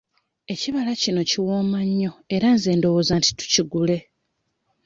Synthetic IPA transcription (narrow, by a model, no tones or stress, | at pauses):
e̞ciβalacino̞ciwo̞ːmaɲːo̞eɾanze̞ːndo̞woːzanti̥tu̥ciɡule̞